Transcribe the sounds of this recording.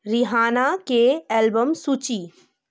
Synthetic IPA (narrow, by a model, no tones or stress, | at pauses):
ɾɪɦaːnakeɛːlbəmsuːt͡ʃi